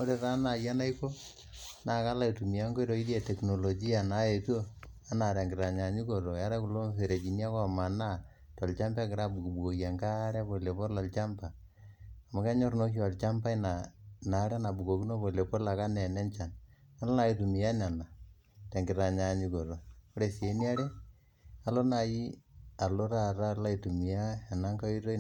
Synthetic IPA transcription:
o˦ɾe˨ɾa˦na˨ja˦na˦i˦ko˦ | na˨ka˦la˦i˨tu˨mi˨ja˦ŋɡo˦i˦to˨i˦dje˨tɛ˨kno˨lo˨d͡ʒi˦a˨na˨je˨tu˦o˦ | a˦na˨ɾɛ˨ŋɡɪ˨ɾa˨ɲa˨ɲu˦ko˨ɾo˨ja˦ɾa˦ku˨lo˦mfe˨ɾe˨d͡ʒi˨n˦a˦kɔ˦ma˨na˦˨ | tɔ˨lt͡ʃa˦mba˦kɪ˨ɾa˦bu˨ku˨bu˨ko˨a˨ŋka˦ɾɛ˦po˨le˨po˦rla˨lt͡ʃa˦mpa˨ | a˨ma˦kɛ˦ɲo˦ɾno˦kja˨lt͡ʃa˦mpa˦ɪ˦na˨na˨˦ɾɛ˦na˨bu˨ko˨ki˦no˦po˨le˨po˦la˨ka˦nɛ˨nɛ˦nt͡ʃa˨n | a˦lɔ˦na˨ji˦tu˨mi˨ja˦na˨na˨ | tɛ˨ŋɡɪ˨ɾa˨ɲa˨ɲu˦ko˨ɾo˨o˦ɾe˨si˨e˨˦ni˦a˦ɾe˦ | a˦lo˦na˨ji˦a˨lo˦ɾa˦˨ɾa˦la˦i˨tu˨mi˨ja˦a˨na˦ŋka˦i˦ɾo˦

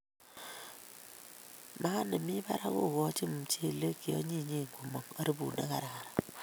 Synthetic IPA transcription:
ma˦ne˨mi˦ba̰˦ɾa˦kṵ˦˨kɔ˦t͡ʃi˦m˨t͡ʃe˦˨le˦ki˨o̰˦ɲi˦ɲe˦˨ŋɡu˨mo˨ŋa˦ɾi˦bṵ˨na̰˦ka˨ɾa˨ka˨ɾa˨

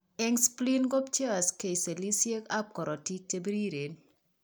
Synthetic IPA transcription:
ɛ˦ŋspli˦nɡo˦pt͡ʃe˦˨ske˨i˨se˨li˦sje˦ka˦p̚kɔ˨ɾɔ˨ti˦k̚te˦bi˦ɾi˦ɾe˨n

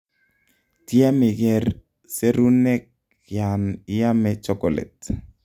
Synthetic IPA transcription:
ti˦a˦mɪ˨kɛ˨r | se˦ɾu˦nɛ˦k̚ | ja˨nɪ˦ja˦mɛ˨t͡ʃɔ˦kɔ˨lɛ̰˨t

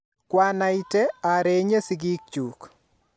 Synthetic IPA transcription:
kwa˦na˨i˦te˦a˨ɾe˨ɲe˦si˦ɡi˦k̚t͡ʃuk

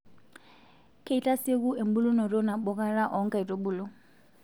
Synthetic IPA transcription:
kʰe˦˨i˨tʼa˦se˦ku˦e˨m̩˦bu˦lu˦nɔ˨ɾo˦na˨ɓɔ˦ka˦ɾa˦ʔɔ˨˦ŋ̩˦kʼa˨i˨tʼo˦ɓu˦˨lɔ˦

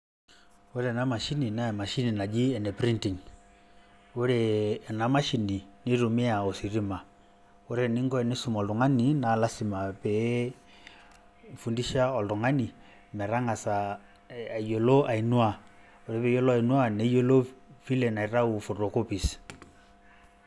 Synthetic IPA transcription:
wo˦ɾɛ˨na˦ma˨ʃi˦ni˨na˦ɛ˨ma˨ʃi˦ni˨na˨d͡ʒi˦ɛ˨nɛ˨pɾi˦nti˨ŋ | wo˦ɾɛ˨na˨ma˦ʃi˨ni˨ni˦ɾu˨mi˦a˨ɔ˨si˨ɾi˦ma˨ | wo˦ɾe˨ni˦ŋɡɔ˦ɛ˨ni˦su˨mɔ˨ldu˨ŋa˦ni˨na˨la˦si˨ma˨pɛ˨ | fu˨ndi˦ʃa˦ɔ˨ldu˨ŋa˦ni˨ | mɛ˨ɾa˦ŋa˨sa˨ | jo˨lo˦ʔa˨i˨nu˦a˨ | o˨ɾe˨˦pɛ˨˦jo˦lɔ˦a˦˨i˨nwa˦nɛ˦jo˦lo˦fi˦lɛ˨na˨i˨ɾa˦u˨fɔ˨ɾɔ˨ko˦pi˨s

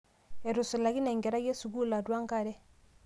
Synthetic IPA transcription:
e˨ɾu˨su˨la˨ɡi˦nɛ˨ŋɡɛ˨ɾa˦ɡe˦su˨ɡu˦la˨dwa˦ŋka˦˨ɾɛ˦

